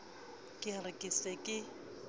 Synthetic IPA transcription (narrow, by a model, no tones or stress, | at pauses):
kʼɪarɪkʼisɛkʼɪ